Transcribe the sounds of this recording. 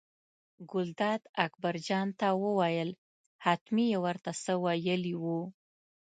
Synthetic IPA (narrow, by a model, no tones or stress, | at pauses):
ɡʊld̪ɑd̪akbaɾd͡ʒɑnt̪awəwajəl | hat̪mijewəɾt̪asəwajəliwu